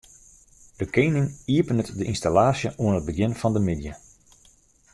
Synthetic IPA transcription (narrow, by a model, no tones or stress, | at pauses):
d̥əkejnɪŋiəpənətdəʔinstalaːsjəʔuənɦət̚bəɡɪnfɑndəmɪdjə